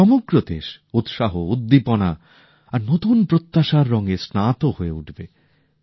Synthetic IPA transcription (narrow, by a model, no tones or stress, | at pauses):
ɔmoɡɾod̪ḛʃut̪ʃaɦoud̪ːipona | aɾnot̪unpɾot̪ːaʃaɾːɔŋesnat̪ohoeuʈʰbe